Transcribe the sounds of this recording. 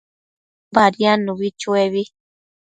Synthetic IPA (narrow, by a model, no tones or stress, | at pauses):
baɾjanũβit͡ʃueβi